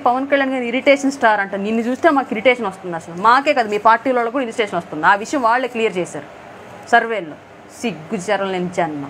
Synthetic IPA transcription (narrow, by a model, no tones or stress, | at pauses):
pɐʋɐnkɐɭjaːɳɡaːɾiɾiʈeːʂɐnsʈaːɾɐɳʈũnd̪ninːut͡ʃuːst̪eːmaːkiɾiʈeːʂɐnʋɐst̪und̪ɐsɐlumaːke̞ːkɐd̪amiːpaːɾʈiːlɐːɭːɐkuːɽɐinsʈeːʂɐnʋɐst̪und̪iaːʋiʂɐjɐ̃mʋaːɭːeːklijɐɾt͡ʃɛːjsa̰ːɾu | sɐɾʋeːlːo | siɡːut͡ʃɐɾɐmleːnid͡ʒɐnma̰